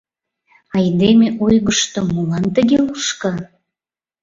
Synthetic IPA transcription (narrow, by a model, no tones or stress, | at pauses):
ɑjd̪emeʔojɣəʃt̪omulɑnt̪əɡeluʃkɑ